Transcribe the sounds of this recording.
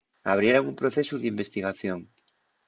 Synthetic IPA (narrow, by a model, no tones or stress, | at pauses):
aβ̞ɾjeɾaŋumpɾoθesuðimbest̪iɣaθjoŋ